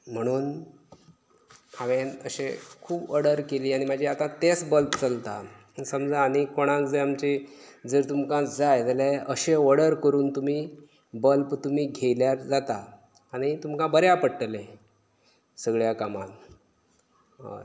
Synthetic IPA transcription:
m̤əɽ̃uːn | haʋenəɕekʰuːbəɽəɾkeliːaɽ̃imad͡ʑʱiat̪ãt̪esbəlpt͡səlt̪a̰ | səmd͡zaːñikoɽ̃ãt͡sd͡zeamt͡ɕid͡zəɾt̪umkãd͡zajt̪aleəɕeʋəɽəɾkəɾuːnt̪um̤iː | bəlpt̪um̤iːɡʱejljaɾd͡zat̪aː | ɽ̃it̪umkãbəɾjapəɽʈle | səɡɭjakamã̰l

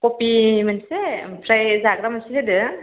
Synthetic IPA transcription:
kopimansepʰɾajzaɡɾamasiledɯ

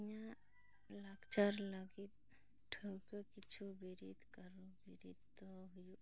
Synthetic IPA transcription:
jã | lakt͡ʃəɾləɡit̪̚ | ʈʰəwkəkit͡ʃʰubiɾit̪kəɾubiɾit̪t̪ɔɦuju

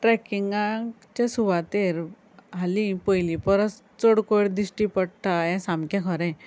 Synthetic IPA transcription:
ʈɾɛkiŋɡã | t͡ɕẽsuʋat̪eɾ | ɦalĩpəjlipəɾəs | t͡soɽkoɽd̪isʈipəɽʈʰajɛ̃sãmkjãkʰɔɾɛ̃

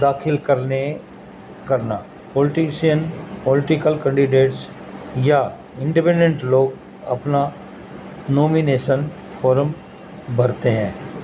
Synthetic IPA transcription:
d̪aːxʰɪlkəɾne | kəɾna | pɔːlɪʈɪʃijənpɔlɪʈɪkəlkɛ̃ɳɖɪɖeːʈs | ja | ɪ̃ɳɖipɛ̃ːɳɖẽɳʈloːɡ | ɐ̰pna | noːmineːʃən | fʰoːɾəm | bʱəɾt̪eɦɛ̃ː

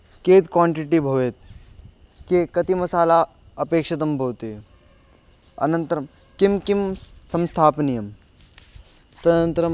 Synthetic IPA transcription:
keːt̪kwaːɳʈiʈibʱɐʋeːt̪̚ | kekɐt̪imɐsaːla | ɐpeːkʂɐt̪̬ɐmbʱɐːt̪eː | ɐ̰nɐ̃nt̪ɐɾɐm | kimkimsɐ̃mst̪ʰaːpnijɐm | t̪ɐnənt̪ɾɐm

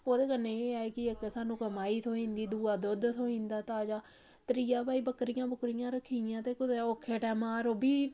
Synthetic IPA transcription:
oːd̪eːkənːeːeːaːeːkɪeksaːnũːkəmaːiːt̪ʰoːĩːnd̪iːd̪uːaːd̪ʊd̪t̪ʰoːĩːnd̪aːt̪aːd͡ʒaː | t̪ɾiːaːbaːiːbəkɾɪjãːbʊkɾɪjãːɾəkʰːiːãːt̪eːkʊd̪eːoːkʰːeːʈɛːmãːɾoːbʱiː

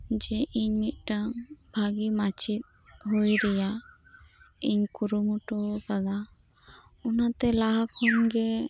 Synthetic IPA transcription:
d͡ʒɛʔiɲmit̪̚ˀʈabʱaɡimat͡ʃʰit̪̚ | ɦujɾɛja | iɲkuɾumuʈɔk̪ad̪a | ɔnat̪ɛlaɦakʰhɔnɡɛ

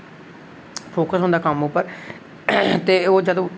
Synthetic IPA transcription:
pʰoːkəsɦõːnd̪aːkəmʊpːəɾ | t̪eːoːd͡ʒəd̪õː

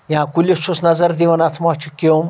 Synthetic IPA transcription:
jãːkulʲisusnɐzɐɾd̪iʋɐnɐt̪ʰmat͡ʃʰukim

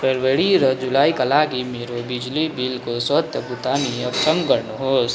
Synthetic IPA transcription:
pʰeɾʋəɽiɾəd͡ʒulaːikɐlaːɡimeɾobɪd͡ʒlibilkosət̪jəbut̪aːniɐbsəmɡəɾnɦoːs

